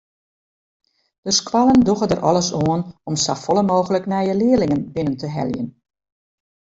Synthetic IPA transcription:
d̥əskwalənduɣədərʔɔləsoənɔmsafɔlˠəmoːɣələknɛjəlɪːəlɪŋənbɪnəntəɦɛ̰ljə̰n

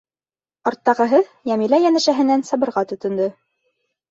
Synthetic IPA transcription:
ɒɾt̪ːɑʁɤ̆ɦɤjæmilæjænæʃæɦɘ̆nænsɑbɤ̆ɾʁɑt̪ɵ̆t̪ŏnd̪ɤ

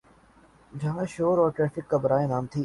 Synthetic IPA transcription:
d͡ʒɐɦãʃoːɾɔːɾʈɾɛːfɪkːabəɾaːenaːmt̪ʰiː

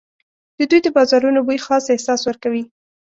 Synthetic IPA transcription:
d̪̥əd̪ujd̪əbɑzɑɾunobujxɑsehsɑswəɾkawi

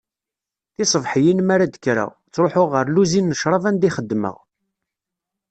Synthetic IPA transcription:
θɪsˤəvħjinmaɾad̪əkɾa̰ | t͡sːɾoħoʁəɾluzinːəʃɾˤɑvænd̪iχəd̪ːmə̰ʁ

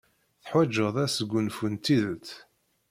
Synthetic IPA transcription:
θħwæd͡ʒːəðˤæsəɡʷːʊnfunt̪iðət̪

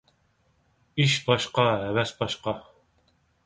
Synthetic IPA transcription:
iʃbɑʃqɑɦɛvɛsbɑʃqɑ

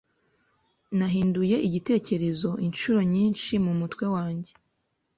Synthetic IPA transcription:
naɦiːnduje̞ʔiɟite̞ːce̞ɾe̞zo̞ʔinʃuɾo̞ɲiːnʃimumutwe̞waːɲɟe̞

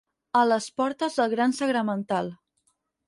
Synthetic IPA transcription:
ələspɔɾt̪əzðəlˠɣɾansəɣɾəmənt̪alˠ

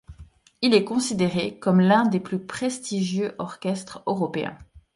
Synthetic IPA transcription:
ilɛkɔ̃sid̪eʁekɔmlɛ̃d̪eplypχest̪iʒjøʔɔʁkʲɛst̪χøʁɔpeɛ̰̃

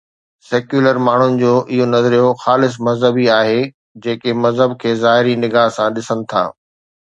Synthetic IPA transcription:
sɛːkjuːləɾmaːɳ̤ʊnɪ̆d͡ʑoːʔɪɦonɐzɾijoxaːlɪs̬mɐzɦəbiaːɦe | d͡ʑeːkemɐzɦəbkʰeːzaːɦɪɾinɪɡaːɦsãɗɪsənɪ̆t̪ʰa̰ː

